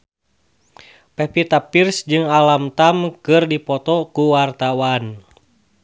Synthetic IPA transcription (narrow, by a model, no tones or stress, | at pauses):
pɛpit̪apirsd͡ʒɨŋalamt̪amkɨrdipɔt̪ɔkuwart̪awan